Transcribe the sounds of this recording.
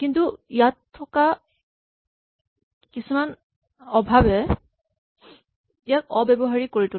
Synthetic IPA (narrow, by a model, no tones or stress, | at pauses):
kintuijatʰːɔka | kisuman | ɔbʱabɛ | ijakɔbɛbɔɦaɹikoɹitu